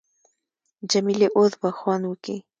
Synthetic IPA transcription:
d͡ʒamileʔoðbaxwɑnwəki

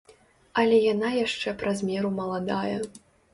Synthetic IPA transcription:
ɐlʲɛjanajaʂt͡ʂɛpɾazʲmʲɛɾumɐlˠad̪ajɛ

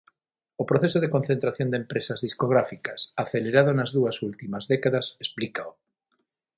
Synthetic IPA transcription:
opɾoθesoð̞ekon̟θẽnt̪ɾaθjõnd̪empɾesɐzðiskoɣ̞ɾafikɐsaθeleɾað̞onɐzðuɐsult̪imɐzðɛkaðɐsesplikao

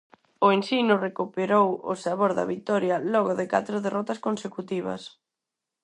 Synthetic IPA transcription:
ʊensinʊrekupeɾowʊ̰saβoɾðɐ̰βit̪ɔɾjɐlɔɣʊðɪka̰t̪ɾʊðerʔɔt̪ɐskonsekut̪iβɐ̰s

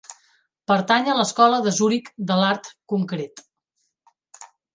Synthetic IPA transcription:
pəɾt̪aɲələskɔləðəzuɾikd̪əlaɾt̪kuŋkɾet̪

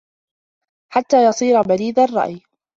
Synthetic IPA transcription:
ħat̪ːaːjɑsˤiːɾabaɾiːd̪arˤːɑ̰ʔj

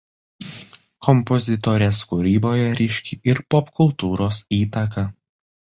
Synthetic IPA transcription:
kʰɔmpɔzʲɪt̪ɔɾʲeːskuːɾʲiːboːjɛɾʲɛʃʲkʲiʔɪɾpɔpkʊlˠt̪uːɾoːsiːt̪ɐkɐ

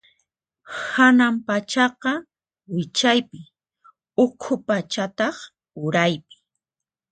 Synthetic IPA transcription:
hanampat͡ʃɑqɑ | wɪt͡ʃajpɪ | ʊkʰʊpat͡ʃat̪ɑχ | ʊɾajpɪ̥

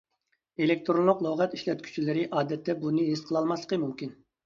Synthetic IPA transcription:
elek̚ʲt̪ʰɾonlˠʊqlˠoʁɛt̪iʃlɛt̪̚kʲʰy̥t͡ʃʰilɪɾɪʔɑːd̪ɛt̪ʰːɛbunɨɦesqʰəlˠɑlˠmɑslˠəqʰəmumkʲin

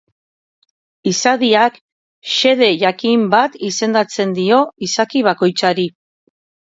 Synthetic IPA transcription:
isaðiak | ʃe̞ð̞e̞ʝakimbat̪ise̞nd̪at͡se̞nd̪io̞isakiβ̞ako̞jt͡saɾi

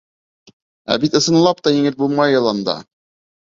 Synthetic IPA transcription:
æ̰bit̪ɤ̆sɤ̆nlˠɑpt̪ɑjiŋɘlbulˠmɑjɤ̆lˠɑnd̪ɑ̰

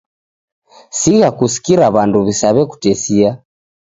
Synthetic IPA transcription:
siɣakusi̥kiɾaβanduβisaβɛku̥tɛsia

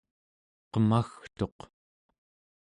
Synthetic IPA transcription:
qəmaxt̪o̞q

